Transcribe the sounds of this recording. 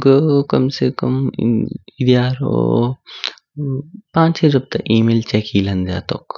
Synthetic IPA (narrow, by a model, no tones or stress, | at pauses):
ɡkɐmsekɐm | id̪jaːɾo̰ | pãːt͡ʃed͡ʒɐb̚t̪ɐʔiːmeːlt͡ʃɛːkiːlɐnza̰ːt̪o̰ːk